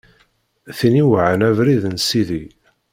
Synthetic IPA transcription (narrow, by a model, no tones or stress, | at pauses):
θiniwʕənævɾiðənsiði